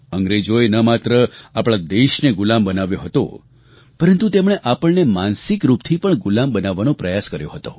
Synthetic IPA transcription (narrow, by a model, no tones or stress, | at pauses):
əŋɡɾed͡ʒojnəmat̪ɾəapɭad̪eʃneɡʊlambənaʋjoɦət̪o̰ | pəɾənt̪ut̪emɳ̃eʔapəɳnemansɪkɾupt̪ʰipəɳɡulambənaʋːanõpɾəjaskəɾjo̰ɦət̪o̰